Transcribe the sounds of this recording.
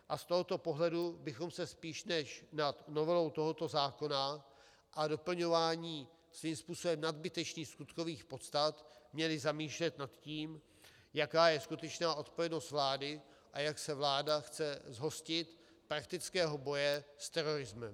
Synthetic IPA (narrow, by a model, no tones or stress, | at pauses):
ʔast̪o̞ɦo̞t̪o̞po̞ɦlɛdubɪxo̞msɛspiːʃnɛʃnat̪no̞vɛlo̞wt̪o̞ɦo̞t̪o̞zaːko̞na | ʔado̞pl̩ɲo̞vaːɲiː | sviːmspuːso̞bɛmnad̪bɪt̪ɛt͡ʃniːxskut̪ko̞viːxpo̞t̪st̪at̪mɲɛlɪzamiːʃlɛt̪nat̪ciːm | jakaːjɛskut̪ɛt͡ʃnaːʔo̞t̪po̞vjɛno̞st̪vlaːdɪ | ʔajaksɛvlaːdaxt͡sɛzɦo̞scɪt̪ | pɾak̚t̪ɪt͡skɛːɦo̞bo̞jɛst̪ɛɾo̞ɾɪzmɛm